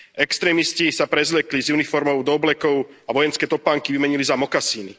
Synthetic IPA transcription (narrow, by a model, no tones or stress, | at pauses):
ɛkst̪ɾɛːmiscisapɾɛzʎɛklizjunifɔɾmɔʊd̪ɔblɛkɔʊ | aʋɔjɛnskɛːt̪ɔpaːŋkiʋimɛɲilizamɔkasiːni